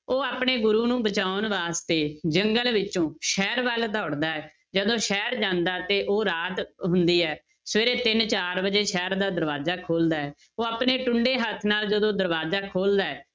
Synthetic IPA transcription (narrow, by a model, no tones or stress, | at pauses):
oːaːpɳeːɡʊɾuːnũːbət͡ʃaːʊnʋaːst̪eːd͡ʒəŋɡəlʋɪt͡ʃõːʃɛːɾʋaːld̪ɔːɽd̪aːɛː | d͡ʒəd̪õːʃɛːɾd͡ʒãːnd̪aːt̪eːʔoːɾaːt̪ɦʊnd̪iːɛː | sʋeːɾeːt̪ɪnt͡ʃaːɾbəd͡ʒeːʃɛːɾd̪aːd̪əɾʋaːzaːkʰoːld̪aːɛː | oːaːpneːʈʊɳɖeːɦət̪ʰnaːld͡ʒəd̪õːd̪əɾʋaːzaːkʰoːld̪aːɛː